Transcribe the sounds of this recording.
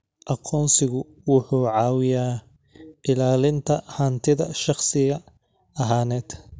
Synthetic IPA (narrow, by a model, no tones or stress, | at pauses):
ʔɑqʰɔːnsɪɣʊ | wʊħuːʕɑːwɪjaː | ʔɪlaːlɪnt̪ʰɐhɐːnt̪ʰɪðɐʃɑχsɪɣɐ | ɐɦaːnɛːd̪̥